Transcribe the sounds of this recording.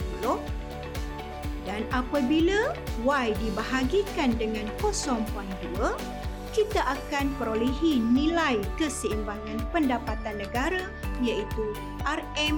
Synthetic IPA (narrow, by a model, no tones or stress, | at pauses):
uloʔ | danapabilawajdibaɦaɡikandəŋãnkosɔŋpuandua | kit̪aʔakanpəɾolɛɦinĩlajkəsəimbaŋãnpəndapat̪anːə̃ɡaɾa | jait̪u | ʔarɛm